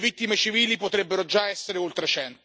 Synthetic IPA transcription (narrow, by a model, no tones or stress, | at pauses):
vit̪ːimet͡ʃiviːlipot̪ɾɛbːeɾod͡ʒaɛsːeɾeolt̪ɾet͡ʃɛnt̪